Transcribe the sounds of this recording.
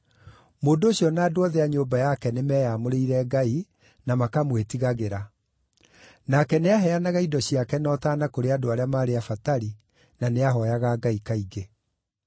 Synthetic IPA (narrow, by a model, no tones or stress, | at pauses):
moːndooɕiɔnaːdoɔðɛaɲoːmbajakɛnemɛːjamoɾeiɾɛɡai | namakamwetiɣaɣeɾa | nakɛneaɦɛanaɣaidɔɕiakɛnɔtaːnakoɾeadoaɾeamaːɾeafataɾi | naneaɦɔjaɣaɡaikaiɡe